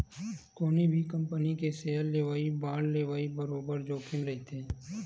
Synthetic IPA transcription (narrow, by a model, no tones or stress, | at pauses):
koːnibʱikə̃mpənikeseːɦəlːeːʋaːibaːlleːʋaːibəɾoːbəɾd͡ʒoːkɪmɾɐɦit̪ʰẽː